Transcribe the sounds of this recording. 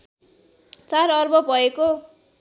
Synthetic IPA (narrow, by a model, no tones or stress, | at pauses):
t͡saɾʌrbʌbʱʌeko